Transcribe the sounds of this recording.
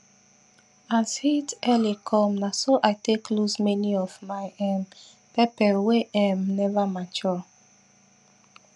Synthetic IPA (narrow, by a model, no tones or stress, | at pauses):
ansitɛlikʰɔ̃mnasoʔajteklusmɛniɔvmaɪɛm | pɛpɛweʔãmnɛvamat͡ʃɔ